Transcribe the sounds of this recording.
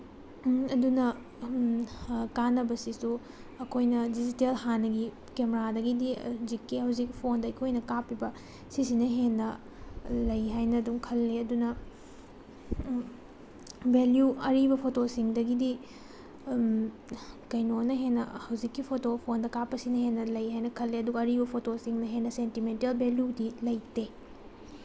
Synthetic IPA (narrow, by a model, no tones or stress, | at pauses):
ɐdunɐ | kanːɐbɐsisu | ɐkʰojnɐdid͡ʒitelhanɐɡi | kemeɾadɐɡidizikːihɐwzikpʰondɐɐkʰojnɐkapːibɐ | sis̬inɐɦenːɐ | lɐjɦajnɐduŋkʰɐlːeɐdunɐ | beljuɐɾibɐpʰotosiŋdɐɡidi | kɐjnonɐɦenːɐhɐwzikːipʰotopʰondɐkapːɐsinɐhenːɐlɐjɦajnɐkʰɐlːeɐduɡɐːɾibɐpʰotosiŋnɐɦenːɐsentimentelbeljudilɐjte